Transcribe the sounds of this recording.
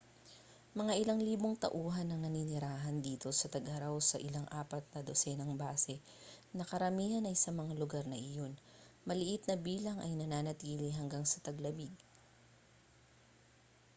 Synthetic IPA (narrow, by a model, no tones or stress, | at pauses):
mɐŋaʔɪlaŋliːbo̞ŋt̪ɐ̰ʔuːɦɐnːɐŋnɐninɪɾaːɦɐnd̪iːt̪o̞sɐt̪ɐɡhɐɾawsɐʔɪlaŋʔaːpɐt̪̚nɐd̪osɛnɐŋbaːsɛ | nɐkɐɾɐmiːhɐnɐjsɐmɐŋalʊɡaɾnɐʔɪjo̞nmɐlɪʔɪt̪̚nɐbiːlɐŋʔɐ̰jnɐnaːnɐt̪iːlɪɦɐŋɡaŋsɐt̪ɐɡlɐbiɡ̚